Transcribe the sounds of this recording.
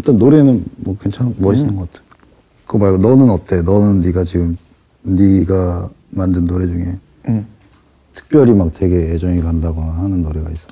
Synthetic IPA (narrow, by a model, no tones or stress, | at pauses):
it͈ʌnːoɾe̞nɯnmwʌkwe̞nt͡ɕʰaŋmʌis͈ʌnɯnɡʌk͈atʰe̥jo | kɯmaɭɡunʌnɯnʌt͈e̞nʌnɯnːiɡat͡ɕiɡɯm | niɡa | mandɯnːoɾe̞d͡ʑuŋe̞ | tʰɯ̥k̚p͈jʌɾimak̚twe̞ɡe̞ed͡ʑʌŋikandaɡonahanɯnːoɾe̞ɡa̰is͈ʌ̥